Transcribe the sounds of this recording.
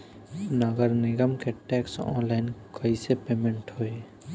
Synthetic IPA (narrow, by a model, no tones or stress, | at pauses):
nəɡəɾnɪɡəmkeʈɛːksɔ̰ːnlaɪnkəisepeːmẽɳʈɦoːe